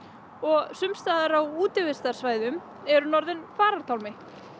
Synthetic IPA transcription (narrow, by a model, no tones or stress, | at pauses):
ɔɣsʏmst̪aːðaɾawuːt̪ɪvɪst̪aɾ̥svaːjðʏm | ɛɾʏnɔɾðɪnfaːɾaɾt̪ʰawlmɪ